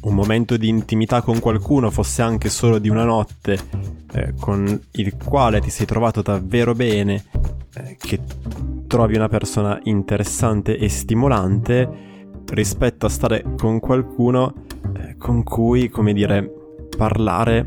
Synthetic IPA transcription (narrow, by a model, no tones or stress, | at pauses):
ummːoment̪od̪iːnt̪imit̪akːoŋkwalkuːnofosːeaŋk̟esoːlod̪iunanɔt̪ːḛ | kʰonilkwaːlet̪isɛjt̪ɾovaːt̪od̪avːeːɾobɛːne | k̟ʰet̪ːɾɔːviunapersoːna̰ʔint̪eɾesːant̪eʔest̪imolant̪e | rispɛt̪ːoast̪aːɾekoŋkwalkʰuːno | kʰoŋkʰujkomed̪iːɾe | parla̰ːɾe